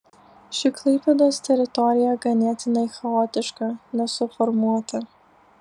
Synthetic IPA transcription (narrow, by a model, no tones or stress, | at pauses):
ʃʲɪklˠɐɪpʲɛd̪oːst̪ʲɛɾʲɪt̪ɔɾʲɪjɛɡɐnʲeːt̪ʲɪnɐɪxɐɔːt̪ʲɪʃkɑnʲɛsʊfɔɾmuɔt̪ɐ